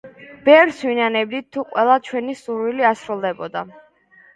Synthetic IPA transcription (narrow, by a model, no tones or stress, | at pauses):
b̥ɛɾswinanɛb̚d̪it̪ʰːuqʼwɛlˠat͡ʃʰwɛnisuɾwiliasɾulˠd̪ɛbɔd̪a